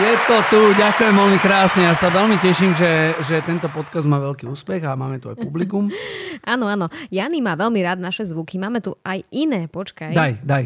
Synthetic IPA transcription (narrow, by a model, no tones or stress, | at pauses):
jɛt̪ɔt̪uɟakujɛmʋɛlmikɾaːsɲɛjaːsaʋɛlmicɛʃimʒɛʒɛt̪ɛnt̪ɔpɔt̪kazd̪̚maːʋɛlkiːuːspɛɣamaːmɛt̪ua̰jpublikumanɔanɔjanimaːʋɛlmiɾaːd̪̚naʃɛzʋukimaːmɛt̪uajinɛːpɔt͡ʃkajd̪ajd̪aj